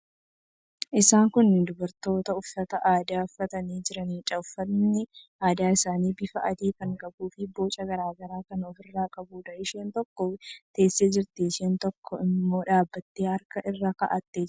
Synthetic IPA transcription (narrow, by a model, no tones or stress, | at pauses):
ʔɪsaːŋkʊnːɪd̪ʊbɐɾt̪o̞ːt̪ɐʊfːɐt̪ɐʔaːd̪aːʊfːɐt̪ɐniːd͡ʒɪɾɐniːt͡ʃʼɐʊfːɐnːɪʔaːd̪aːɪsaːniːbɪfɐʔɐd̪iːkɐŋkʼɐbuːfɪbo̞ːt͡ʃʼɐɡɐɾaːɡɐɾaːkɐnɔfɪrːaːkʼɐbuːd̪ɐʔɪʃeːnt̪ɔkːɔt̪e̞ːsːeːd͡ʒɪɾt̪eːʃeːnt̪ɔkʰːɔɪmːo̞ːᶑaːbːɐt̪ːeːhɐɾkɐʔɪrːaːkɐʔɐt̪ːeː